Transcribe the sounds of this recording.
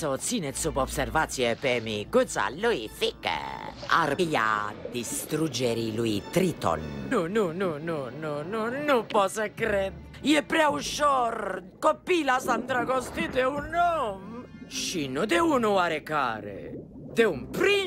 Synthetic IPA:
sɔt̪sinɛt̪supɔpsɛrvat̪siɛpɛmikut̪sa̰lːuifikɛ̰a̰ria̰d̪ist̪ɾud͡ʒːɛɾiluit̪ɾit̪ɔ̰nununununununupɔsɛkɾɛ | jɛpɾɛauʃɔɾ | kopːilasand̪ɾakɔst̪it̪eunːɔm | ʃinud̪eunuaɾeka̰ːɾḛd̪eumpɾi

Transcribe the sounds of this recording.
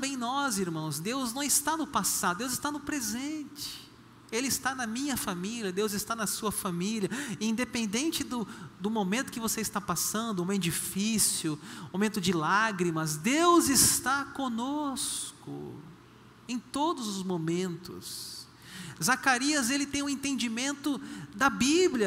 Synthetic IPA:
ɐbẽj̃nɔziɾmɐ̃w̃zd̪ewznɐ̃w̃ɪst̪anʊpasad̪ʊd̪ewzɪst̪anʊpɾezẽnt͡ʃɪ̥ | elɪist̪anɐmĩɲɐfamiliɐd̪ewzɪst̪anɐsuɐfamiliɐĩd̪epẽnd̪ẽnt͡ʃɪd̪ʊd̪ʊmomẽnt̪ʊ̥kɪvoseist̪apasɐ̃nd̪ʊũed͡ʒifisjʊmõmẽnt̪ʊd͡ʒɪlaɡɾimɐzd̪ewzɪst̪akõnoskʊ̰ | ẽj̃t̪od̪ʊzʊzmomẽnt̪ʊ̰s | zakaɾiɐzelɪt̪ẽj̃ũẽt̪ẽnd͡ʒimẽnt̪ʊd̪ɐbibliɐ

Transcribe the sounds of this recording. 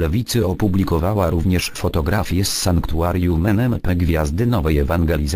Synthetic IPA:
ɛvʲit̪sɘɔpublʲikɔvawaɾuvɲɛʂfɔt̪ɔɡɾafʲjɛssaŋkt̪uaɾjumɛnɛmpɛɡvʲjazd̪ɘnɔvɛjɛvaŋɡɛlʲiz

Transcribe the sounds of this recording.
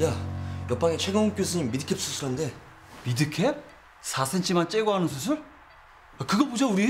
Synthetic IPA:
jajʌp͈aŋet͡ɕʰeɡʌŋuk͈jos̬ʰɯɲimːidɯkʰep̚s͈ʰusʰɯɾɦande̞ | midɯkʰep̚ | sʰasʰent͡ɕʰimant͡ɕ͈eɡoɦanɯnsʰusʰɯɭ | akɯɡʌbod͡ʑouɾi

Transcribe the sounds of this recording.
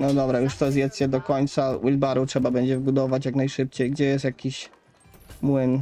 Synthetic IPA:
nɔd̪ɔbɾajuʂt̪ɔzjɛt̪sɕɛd̪ɔkɔɲt̪sawʔilbaɾutʂɛbabɛɲd͡ʑɛvbud̪ɔvat͡ɕjaknajʂɘp̚t͡ɕejɡd͡ʑɛjɛst̪jakʲiɕ | mwɘn

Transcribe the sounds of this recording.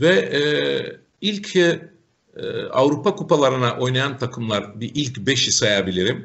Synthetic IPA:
vɛ | ilʲcʰ | a̰vɾupakupalˠaɾɯnaʔo̞jnajant̪ʰakʰɯmlˠaɾbiʔilʲcbɛʃisajabilʲiɾim

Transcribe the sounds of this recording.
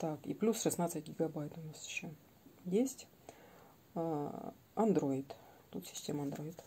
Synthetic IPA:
t̪akḭplʲusʂɨsnat̪sɨtʲɡʲɪɡɐbajt̪ʊnasjɪɕːo | jesʲtʲ | ɐnd̪ɾo̞ɪt̪t̪ut̪sʲɪ̥sʲtʲeməɐnd̪ɾo̞ɪt̪

